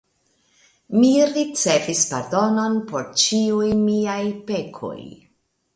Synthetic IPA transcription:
miɾit͡se̞vispaɾdo̞no̞npo̞ɾt͡ʃiujmiajpe̞kʰo̞̰j

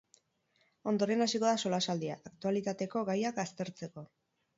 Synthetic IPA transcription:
o̞nd̪o̞ɾe̞nasiko̞ðaso̞lasald̪iaːkt̪ualit̪at̪e̞ko̞ɣajakast̪e̞ɾt͡se̞ko̞

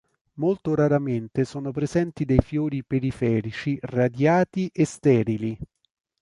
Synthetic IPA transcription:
molt̪oɾaɾament̪esɔːnopɾezɛnt̪id̪ejfjoːɾipeɾifɛːɾit͡ʃirad̪jaːt̪iʔest̪ɛːɾili

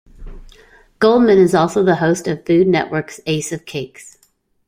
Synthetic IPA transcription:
ɡ̥oʊlˠd̚mɨ̃nɨzɔlˠsoʊðəhoʊstʌv̥fʉdⁿnɛ̰ʔwɜ˞kseɪsʌv̥kʰeɪks

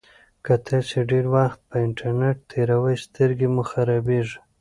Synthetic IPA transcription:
kat̪ʰat͡ʃeɖeɾwaxt̪̚pəɪɳʈaɾneʈ̚t̪ʰeɾawəjst̪ʰəɾɡemʊxaɾɑbeʐ

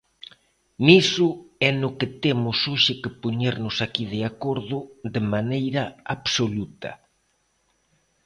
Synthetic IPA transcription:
nisʊɛnʊkɪt̪emʊsoʃɪkɪpoɲeɾnʊsakið̞ɪakoɾðʊd̪emanejɾɐaβsolut̪ɐ̰

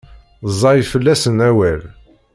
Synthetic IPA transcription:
zˤːɑjfəlːæsənæwæl

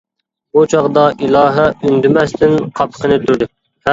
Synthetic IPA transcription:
but͡ʃʰɑʁd̪ɑʔilˠɑːɦæynd̪ɪmɛst̪ʰɪnqʰɑpʰə̥qʰənɨt̪ʰuɾd̪ɪ

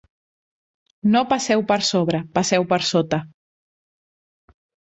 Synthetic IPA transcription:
nopasɛwpəɾsoβɾəpasɛwpəɾsot̪ə

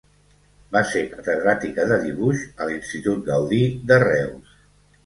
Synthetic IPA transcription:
basekət̪əðɾat̪ikəðəðiβuʃəlinst̪it̪ut̪̚ɡəwðid̪ərɛws

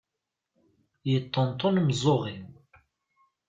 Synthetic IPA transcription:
jət̪ˤːənt̪ˤːonmzˤoʁim

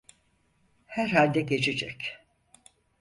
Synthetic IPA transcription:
hæɾhalʲd̪ɛɟe̞t͡ʃʰed͡ʒɛ̰c

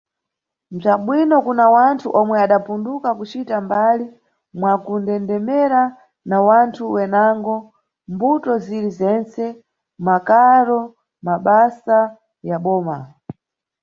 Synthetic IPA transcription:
nb͡ʐʷaɓwinɔkunawantʰuʔɔmwɛaɗapundukakut͡ʃitambali | mwakundɛndɛmɛɾa | nawantʰuwɛnaŋɡɔ | mbutɔziɾizɛnt͡sɛ | makaɾɔ | maɓasa | jaɓɔːma

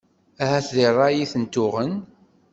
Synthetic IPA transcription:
æɦæθðirˤːɑjiθənt̪ːʊʁən

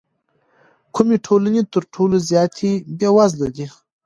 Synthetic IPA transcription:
kʰʊmeʈʰolanet̪əɾʈʰolozjɑːt̪ʰibjewazlad̪i

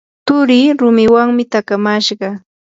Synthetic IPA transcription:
t̪ʊɾiːɾʊmɪwaŋmɪt̪akamaʃɢɑ

